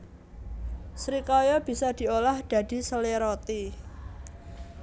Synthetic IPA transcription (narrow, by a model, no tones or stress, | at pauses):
sɾikɔjɔb̥i̤sad̪̥i̤olahd̪̥a̤d̪̥i̤səleɾot̪i